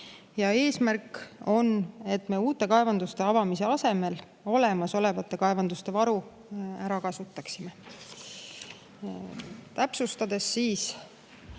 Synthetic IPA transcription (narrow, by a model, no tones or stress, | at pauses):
jɑe̞ːsmærko̞ne̞t̪ːme̞uːt̪ːˑe̞kɑevɑnd̪ust̪e̞ɑvɑmise̞ɑse̞me̞l | o̞le̞mɑso̞le̞vɑt̪ːˑe̞kɑevɑnd̪ust̪e̞vɑɾu | æɾɑkɑsut̪ːˑɑksime̞ | t̪æpsust̪ɑd̪e̞sːiːs